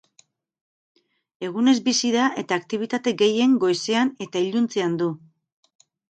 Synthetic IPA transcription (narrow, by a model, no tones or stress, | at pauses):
e̞ɣ̞une̞zbisiðaʔe̞t̪aːkt̪iβ̞it̪at̪e̞ɡe̞je̞ŋɡo̞jseane̞t̪aiʎunt͡seand̪u